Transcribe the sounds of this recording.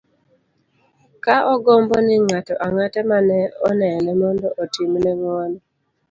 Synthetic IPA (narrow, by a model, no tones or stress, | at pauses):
kaʔɔɡɔmbɔnɪŋatɔʔaŋatɛmanɛɔnɛnɛmɔndɔʔotimnɛŋwɔnɔ